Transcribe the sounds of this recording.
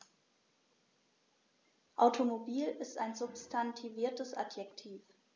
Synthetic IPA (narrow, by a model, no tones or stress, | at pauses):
ʔaʊtʰomobiːlɪsta̰ɪnzʊpstʰantʰiviːɐtəsʔa̰tjɛktʰiːf